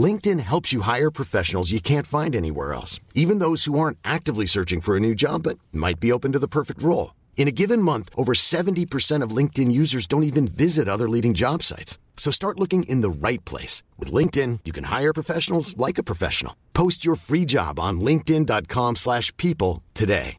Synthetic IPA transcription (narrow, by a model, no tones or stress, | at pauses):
lɪ̃ŋk̚tɨ̃nɦɛlˠpsjɨɦaɪə˞pʰɹ̥ɨfɛʃnl̩ˠzjɨkʰæ̃ntfãɪ̃ndɛñḭwɛ̰ɹɛ̰lˠsivɨ̃nðoʊz̥huɑɹntʔæk̚tɨvlisɜ˞t͡ʃɪ̃ŋfə˞ɨnʉd͡ʒɑ̰bʌt̚ma̰ɪt̚b̥ioʊpɨ̃n̩tɨðəpʰɜ˞fɨk̚t̚ɹoʊlˠ | ɨ̃ñɨɡɪvɨ̃nmʌ̃nθʔoʊvə˞sɛvntipʰə˞sɛ̃ɾ̃ʌvlɪ̃ŋk̚tɨ̃njʉzə˞zdõʊ̃ntivɨ̃nvɪzɨɾʌðə˞liɾɪ̃ŋd͡ʒɑb̥sa̰ɪts | soʊstɑɹtˡlʊkɪ̃ŋʔɪ̃nðəɹaɪt̚pʰl̥ḛɪswɨ̰ðlɪ̃ŋk̚tɪ̃njɨkʰɨ̃n̩ha̰ɪə˞pʰɹ̥əfɛʃn̩l̩ˠzlaɪkɨpʰɹ̥ɨfɛ̰ʃn̩̰l̩ˠpʰoʊst͡ʃə˞fɹid͡ʒɑ̰b̃n̩lɪ̃ŋk̚tɪ̃ndɑt̚kʰɑ̃mslæʃpʰipl̩ˠtʰɨdḛɪ